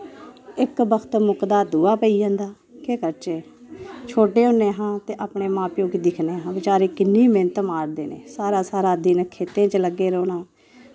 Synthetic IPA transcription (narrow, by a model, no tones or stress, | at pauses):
ɪkbəkʰət̪mʊkd̪aːd̪uːaːpəiːd͡ʒãːnd̪aː | keːkəɾt͡ʃe | t͡ʃʰoːʈeːɦõːnːẽːɦãːt̪eːʔaːpɳeːmãːpjõːkid̪ɪkʰneːɦãːʋɪt͡ʃaːɾeːkɪnːiːmeːnət̪maːɾd̪eːnḛːsaːɾaːsaːɾaːd̪iːnkʰeːt̪ẽːt͡ʃləɡːeːɾoːnaː